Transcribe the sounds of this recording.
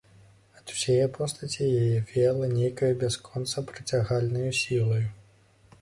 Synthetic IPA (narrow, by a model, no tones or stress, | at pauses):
ɐt̪u̥sʲajɛpʰɔst̪ɐt͡sʲijajɛvʲɛlˠɐnʲejkɐjubʲaskʰɔnt̪sɐpɾɨt͡sʲaɣalʲnɐjusʲilˠɐju